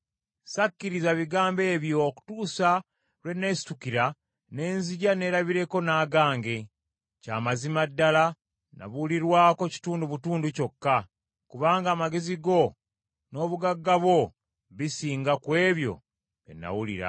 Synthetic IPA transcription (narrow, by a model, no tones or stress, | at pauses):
sakːiɾizaβiɡaːmbe̞ːβjo̞ːku̥tuːsa | lwe̞nːe̞si̥tukiɾa | ne̞ːnziɟane̞ːɾaβiɾe̞ko̞naːɡaːŋɡe̞ | caːmazimadːala | na̰βuliɾwaːko̞ci̥tuːnduβutuːnduco̞kːa | kuβaːŋɡaːmaɡe̞ziɡo̞ | no̞ːβuɡaɡːaβwo̞ | βisiːŋɡakwe̞ːβjo̞̰ | ḛnːa̰wulḭɾa̰